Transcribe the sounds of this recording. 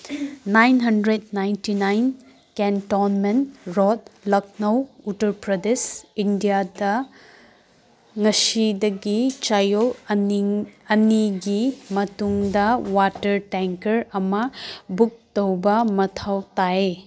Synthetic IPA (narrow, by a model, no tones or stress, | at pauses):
najnɦɐndɾet̚najntinajn | kentɔnmenɾɔt̚lɐk̚nɐwutɐɾpɾɐdesindijadɐ | ŋɐsidɐɡit͡ʃajol | ɐniɡimɐtuŋdɐwatɐɾteŋkɐɾɐmɐbuk̚tɐwbɐmɐtʰawtae